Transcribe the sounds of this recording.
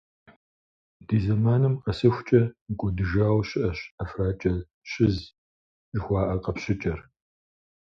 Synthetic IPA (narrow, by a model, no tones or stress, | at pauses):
d̥iːzɐmaːnɨmqɐsɨxʷʊt͡ʃʼɐɡʷɔdɨʒaːwɕɪʔɐɕɐfraːt͡ʃʼɐ | ɕɪz | ʒɪxʷɑːʔɐqɐpɕɪt͡ʃʼɐr